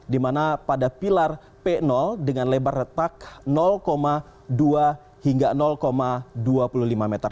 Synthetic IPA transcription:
dimanapadapilar | pɛnɔldəŋanlebarət̪ak̚nɔlkoma | dua | hiŋɡanɔlkomaduapululimamɛt̪ər

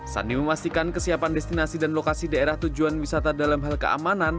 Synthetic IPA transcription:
sa̰niməmast̪ikankəsiapandɛst̪inasidanlokasidaeɾaht̪ud͡ʒuanwisat̪adalamɦalkəʔa̰manan

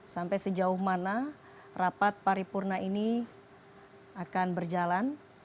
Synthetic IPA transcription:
sampajsəd͡ʒaʊhmana | rapat̪̚paɾipurnaini | akanbərd͡ʒalan

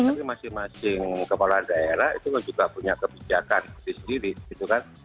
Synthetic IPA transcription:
apimasɪŋmasɪŋkəpaladaeɾahḭt̪ukand͡ʒuɡapuɲakəbid͡ʒakandisədiɾiʔit̪ukan

